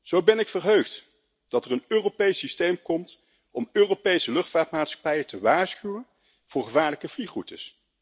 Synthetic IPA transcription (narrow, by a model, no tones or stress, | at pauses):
z̥owbɛnɪkfərɦøɥχt | d̥ɑtərənøːropejsistejmkɔmt | ɔmøːropejsəlɵχtfaːtmaːtsχɑ̥pɛjətəʋaːɹsχywən | v̥ʊːɹχəvaːɹləkəvliχrutəs